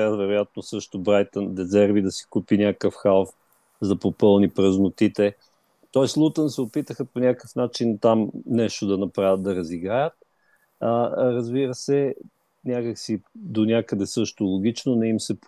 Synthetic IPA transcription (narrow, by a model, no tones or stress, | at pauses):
avɛɾojat̪̚nosɤʃt̪obɾajt̪ɐnd̪ɛzɛɾvid̪ɐsi̥kupinʲakəfxalˠf | zɐpopɤlˠnipɾəznʊt̪it̪ɛ | t̪ɔɛslˠut̪ənsɛopit̪əxəponʲakəfnat͡ʃint̪amnɛʃt̪od̪ɐnɐpɾavʲət̪̚d̪ɐɾɐziɡɾajət̪̚ | ɾɐzbiɾəsɛ | nʲakəksid̪onʲakəd̪ɛsɤʃt̪ʊlˠʊɡ̟ʲit͡ʃnonɛimsɛp